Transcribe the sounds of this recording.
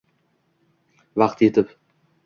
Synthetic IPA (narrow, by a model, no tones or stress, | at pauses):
vɑqt̪jet̪ʰɪp